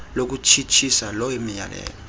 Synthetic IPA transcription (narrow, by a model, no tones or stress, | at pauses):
lok̬ut͡ʃʰit͡ʃʰisalɔwemija̰lɛ̰ːlɔ